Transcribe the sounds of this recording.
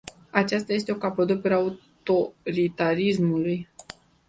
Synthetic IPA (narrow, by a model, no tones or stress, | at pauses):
at͡ʃast̪aje̞s̬t̪e̞o̞kapod̪upuɾau | t̪o̞ɾit̪aɾismuluj